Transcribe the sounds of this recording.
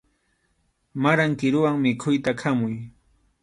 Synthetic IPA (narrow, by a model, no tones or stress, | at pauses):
maɾaŋkɪɾʊwaŋmɪkʰʊjt̪akʰamʊj